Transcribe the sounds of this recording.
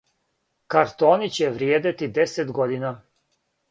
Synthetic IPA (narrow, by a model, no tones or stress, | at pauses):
kaɾt̪ɔnit͡ɕɛvɾijɛd̪ɛt̪id̪ɛsɛd̪ɡɔd̪ina